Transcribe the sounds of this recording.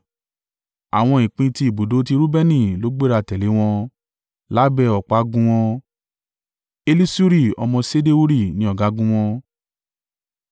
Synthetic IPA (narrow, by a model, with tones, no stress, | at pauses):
a˨w̃ɔ̃˧ĩ˨k͡pĩ˧ti˧i˨bo˨do˨˦ti˧ɾu˦bɛ˦nĩ˦˨lo˨˦ɡ͡be˦˨ɾa˧tɛ˨le˨˦w̃ɔ̃˧ | la˦bɛ˧ɔ˨k͡pa˦ɡũ˧w̃ɔ̃˧ | e˧li˦su˦ɾi˦˨ɔ̰˧mɔ̃˧se˦de˦u˦ɾi˦˨nĩ˦ɔ˦˨ɡa˨˦ɡũ˦w̃ɔ̃˧